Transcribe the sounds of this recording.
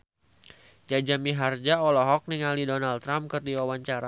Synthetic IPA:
d͡ʒad͡ʒamiɦard͡ʒaɔlɔɦɔk̚niŋalidɔnalt̪ːɾamkərt̪iwawaɲt͡ʃaɾa

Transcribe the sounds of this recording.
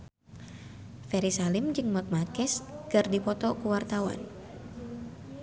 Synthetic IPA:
fɛɾisalɪmd͡ʒɨŋmak̚makɛskɨrdipɔt̪ɔkuwart̪awa̰n

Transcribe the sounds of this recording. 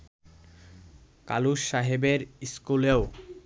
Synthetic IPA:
ka̰luʃːaɦebeɾiskuleo

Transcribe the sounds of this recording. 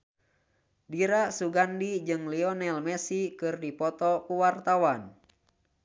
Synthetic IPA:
diɾasuɡandid͡ʒɨŋliɔnɛlmɛsikɨrdipɔt̪ɔkuwart̪awan

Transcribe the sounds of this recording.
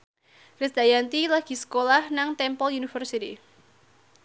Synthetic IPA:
kɾɪsd̪ajant̪ilaɡ̥i̤sə̥kolahnaŋt̪ɛmpɔlunifərsit̪ḭ

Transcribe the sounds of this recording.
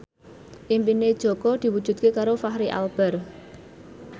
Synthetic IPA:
ʔimpined̥ʒ̥ɔ̤kɔd̪̥i̤wud̥ʒ̥ṳd̪̚kekaɾofaɦɾiʔa̰lb̥ɛr

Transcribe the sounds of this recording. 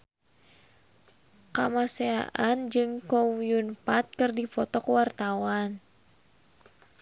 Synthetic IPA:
kamasea̰ʔand͡ʒɨŋkɔwiunpat̪̚kɨrdipɔt̪ɔkwart̪awan

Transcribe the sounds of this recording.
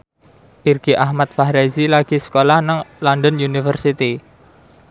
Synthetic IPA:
ʔirɡ̥iʔahmat̪̚fahɾazilaɡ̥i̤sə̥kolahnaŋlɔndənjunifərsit̪i

